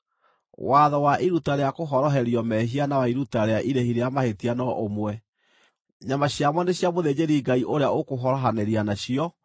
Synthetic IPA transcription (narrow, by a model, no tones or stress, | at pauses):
waðɔwaʔiɾutaɾeakoɦɔɾɔɦɛɾiɔmɛɦianawaiɾutaɾeaʔiɾehiɾeamahetianɔʔomwɛ | ɲamaɕjamwɔneɕjamoðed͡ʑeɾiːɡaiʔoɾeaokoɦɔɾɔɦaneɾianaɕiɔ